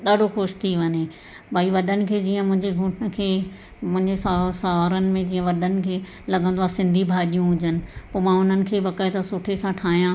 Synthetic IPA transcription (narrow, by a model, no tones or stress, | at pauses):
ɗ̪aːɖ̤ʱoxʊʃt̪ʰiʋɐɲe | bʱaːiʋɐɗənɪ̆kʰeːd͡ʑiːə̃mʊ̃ɦɪ̃ɲd͡ʑeɡʱʊ̃ʈnə̆kʰeː | mʊ̃ɦɪ̃ɲd͡ʑesasaːʋaːɾənɪ̆mẽd͡ʑiːə̃ʋɐɗənɪ̆kʰeː | lɐɡʱə̃nd̪oaːsɪ̃nd̪ʱibʱaːɗijũɦʊd͡ʑənɪ̆poːmãːʊn̤ənɪ̆kʰeːbɐkaet̪ɐsʊʈʰesãʈʰaːɦijã